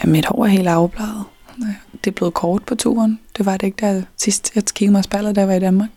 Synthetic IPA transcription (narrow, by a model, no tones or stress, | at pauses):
jæmmid̥hɒ̰ːæɐhe̝̰ːld̥ɑ̈ʊb̥lɑ̰̈ːð̩ˠ | d̥e̝b̥le̝ːð̩ˠkʰɒːd̥̚pʰɒ̽t͡sʰṵːɐnd̥e̝ʋɑ̈ɾ̥eeɡ̥d̥æsisd̥jɑkʰiɡ̥̩ˠmɑsb̥æl̰ðˠd̥æjʋɑ̈id̥ænmɑ̈ːɡ̥